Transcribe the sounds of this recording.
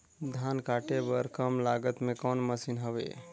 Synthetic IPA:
d̪ʱankaʈebəɾkəmlaɡət̪mekɔnməsinɦəbḛ

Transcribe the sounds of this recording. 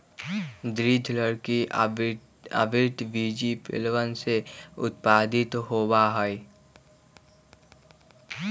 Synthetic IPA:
d̪ɾid̪ʱləɽki | ə̰bɪɾʈ̪biːd͡ʒipɪ̰lʋənseʊ̰t̪̚paːd̪ɪt̪ɦoːbaɦəi

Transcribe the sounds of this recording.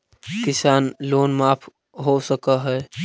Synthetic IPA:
kɪsaːnloːnmaːpʰ | ɦosəkəɦɛː

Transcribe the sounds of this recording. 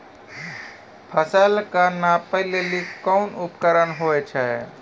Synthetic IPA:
pʰəsəlkanapəɦlelikɔnupkəɾənɦoɛt͡ʃʰɛ

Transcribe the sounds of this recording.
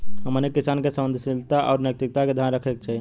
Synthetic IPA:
ɦəmənekːisankesəmənd̪ʱsilt̪aʔɔːɾnjək̚t̪ik̚t̪aked̪ʱjanɾəkʰɛk̚t͡ʃaɦi

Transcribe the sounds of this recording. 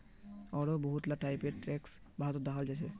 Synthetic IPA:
ɔɾɔbɔɦut̪laʈajpeʈɾɛks | bʱaɦɔt̪ɔd̪akʰald͡ʒat͡ʃʰɛ

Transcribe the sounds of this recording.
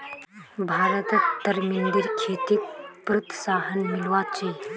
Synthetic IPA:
bʱaːɾət̪t̪əɾmind̪iɾkʰet̪ik̪̚pɾət̪saːɦənmilwat͡ʃi

